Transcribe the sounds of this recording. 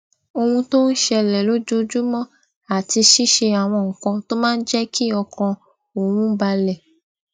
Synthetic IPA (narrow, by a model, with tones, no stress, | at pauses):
o˧hũ˧to˦n̩˦ʃɛ˧lɛ˨lo˦d͡ʒo˦d͡ʒu˦mɔ̃˦ | a˨ti˧ʃi˦ʃe˧a˨w̃ɔ̃ː˧˨ŋ̩˨kɔ̃˧to˦mãː˦n̩˦d͡ʒɛ˦ki˦ɔ˧kɔ̃˧ | o˨w̃ũ˦ba˧lɛ˨